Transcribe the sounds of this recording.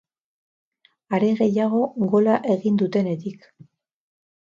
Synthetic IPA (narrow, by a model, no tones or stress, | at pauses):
aɾe̞ɣe̞jaɣ̞o̞ɣo̞laʔe̞ɣind̪ut̪e̞ne̞t̪ik